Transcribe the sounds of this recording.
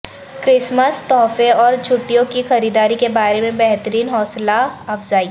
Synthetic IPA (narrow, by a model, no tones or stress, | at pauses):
kɾɪsməst̪ɔːfeɔːɾt͡ʃʰʊʈːijõkixɐɾiːd̪aːɾikebaːɾemẽbɛɦt̪əɾiːnɦɔːslaɐfzaːi